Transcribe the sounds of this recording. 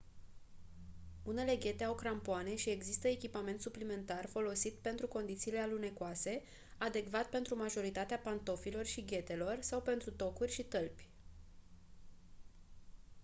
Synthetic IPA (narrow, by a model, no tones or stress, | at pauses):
une̞le̞ɡʲe̞t̪e̞awkɾampoane̞ʃie̞ɡzist̪əe̞kʲipame̞nt̪suplime̞nt̪arfo̞lo̞sit̪pe̞nt̪ɾuko̞nd̪it̪siːle̞alune̞koase̞ | ad̪e̞ɡvat̪̚pe̞nt̪ɾumaʒo̞ɾit̪at̪eapant̪o̞filo̞rʃiɡʲe̞t̪e̞lo̞rsawpe̞nt̪ɾut̪o̞kurʲʃit̪əlpʲ